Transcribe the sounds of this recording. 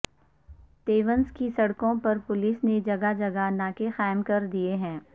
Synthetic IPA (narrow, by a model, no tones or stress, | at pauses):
t̪eːʋənskisɐɽkõpɐɾpʊlɪsned͡ʒɐɡad͡ʒɐɡanaːkexaːɪmkɐɾd̪ieɦɛ̃ː